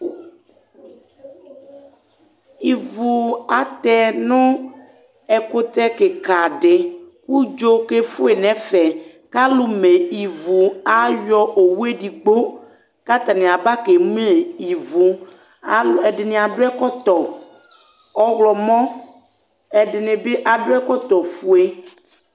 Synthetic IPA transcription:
i˨vu˨a˨t̪ɛ˦nʊ̃˦ | ɛ˨ko˦t̪ɛ˦ke˨ka˨ɖɪ˨ku˦d͡ʒo˦ke˦fu˦e˨nɛ̃˨fɛ˨ | ka˦lu˦me˨i˨vu˨a˦jɔ˦ʔo˨wu˦e˦ɖi˨ɡ͡bo˦ | ka˦t̪a˨nẽ˨a˨ba˦ke˨mũ˦e˨i˨vu˨ | ɛ˨ɖɪ˨nẽ˨a˨ɖʊ˦ɛ˦kɔ˦t̪ɔ˨ | ɔ˦ɣlɔ˨mɔ̃˦ | ɛ˨dɪ˨ne˨be˦ʔa˨ɖʊ˦ɛ˦kɔ˦t̪ɔ˨fu˦e˦

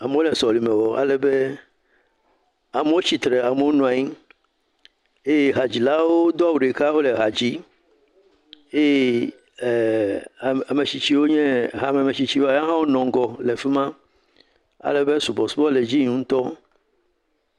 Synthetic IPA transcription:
a˨me˨˦wo˦lɛ˨sɔ˨li˨mɛ̃˨wɔ˨a̰˨lɛ˨be˦ | a˨me˨˦wo˦t͡ɕi˨t̪ɾe˨a˨me˨wo˦nũ˨a˨ɲi˦ | e˦jɛ˦ɦa˨d͡ʑi˨la˦wo˦d̪o˦a˦wu˨ɖe˨ka˦wo˦le˨ɦa˨d͡ʑi˦ | e˦j | a˨me˨t͡ɕi˨t͡ɕi˦wo˦ɲɛ̃˦ɦa˦me˨me˨t͡ɕi˨t͡ɕi˦wo˦a˦˨jã˦ɦã˦wo˦nɔ̃˨ŋ˦ɡɔ˨le˨fi˦mã˦ | a̰˨lɛ˨be˦su˨bɔ˨su˦bɔ˦le˨d͡ʑi˦ɲũ˨˦ŋ̩̃˦t̪ɔ˦

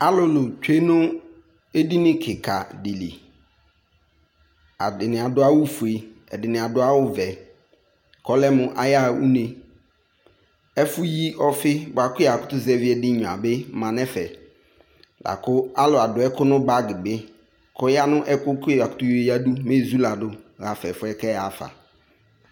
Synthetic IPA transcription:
a˦lʊ˨lʊ˨t͡ʃᶣe˦nʊ̃˦ | e˦di˦nɪ̃˦kʰɪ˨kʰa˨dɪ˨lḭ˨ | a̰˨dɪ˨nɪ̃˨a˨dʊ˨˦a˦wʊ˦fu˨e˨ɛ̰˨dɪ˨nɪ̃˨a˨dʊ˦a˦wʊ˦vɛ˨ | kʰɔ˦lɛ˦mʊ̃˨ʔa˨ja˦ṵ˦ne˨ | ɛ˦fʊ˦ji˦ʔɔ˦fɪ˦bʊ˨a˨kʊ˦˨a˨kʊ˦t̪ʊ˦zɛ˦vɪ˦ɛ˨dɪ˦ɲʊ˨a̰˨bɪ˦mã˨nɛ˦fɛ˨ | lʔa̰˨kʊ˦a˦lʊ˨a˨dʊ˨ɛ˦kʊ˦nʊ̃˦ba˦ɡɪ˨bɪ˦ | kʰɔ˦ja˦nʊ̃˦ʔɛ˦kʊ˦kʊ˦a˨kʊ̥˦tʊ˦je˨ja˦du˦me˦˨zu˦la˨dʊ˨ɣa˨fɛ˨fʊ˦ɛ˦kɛ˦a˨fa̰˨

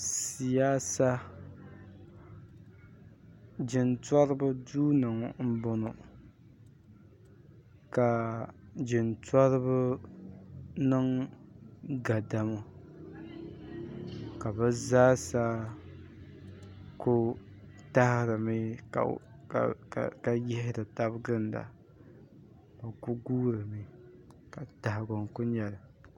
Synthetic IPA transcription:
si˨jaː˦sa˦ | d͡ʒɪ˨ntwa˦ɾɨ˦bʊ˦duː˦nɨ˨ŋm̩˦bɔ˦nɔ˨ | ka˨d͡ʒɪ˨nta˦ɾɨ˦bʊ˦ | nɨ˦ŋ | ɡa˨da˨mo˦ | ka˨bɨ˦zaː˦sa˦ | kʊ˦ | ta˦hɪ˦ɾɨ˨mḭ˦˨ | ka˨jɛ˦hɪ˦dɨ˨ta˦bɡɨ˦nda̰˨ | ka˨ku˦ɡuː˦ɾɨ˨mi˨ka˨ta˨hɡʊ˨ŋkʊ˦ɲɛ˨lɨ˨

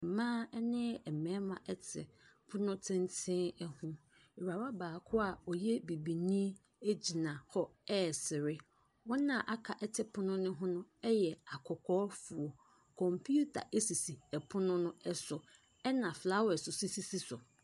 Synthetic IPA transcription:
mãː˦nɪ̃˦ɛ˨mɛ̃˨˦mã˨ʔɛ˦tʰɪ̰˨pʰʊ˦nʊ̃˦tʰɪ̃˦ntʰɪ̃˦ɛ˦hũ˦ | e˨ɾa˨ɾa˦baː˨kʰʊ˦a˨ɔ˨jɛ˦bi˨bi˨nĩ˦ | e˦d͡ʑi˨nã˨hɔ˦ɛ˦˨sɪ˨ɾɪ˦ | wɔ̃˦nã˨ʔa˦kʰa˨ʔɛ˦tʰɪ˨pʰʊ˦nʊ̃˦nʊ̃˦ɦʊ̃˦nʊ̃˦ɛ˦jɛ˨a˨kʰɔ˨kʰɔː˦fʊ˨o˨ | kʰɔ̃˨mpʰu˦tʰa̰˨ʔe˦si˨si˨ɛ˨pʰʊ˦nʊ̃˦nʊ̃˦ɛ˦sʊ˨ | ɛ˦nã˨fla˦wɛ˨sʊ˨si˦si˦si˦sʊ˨

